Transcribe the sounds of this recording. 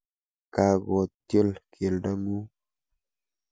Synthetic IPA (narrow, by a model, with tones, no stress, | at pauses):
ka˨ɡɔ˨tjo˦lkʰe˨lda˦mu˦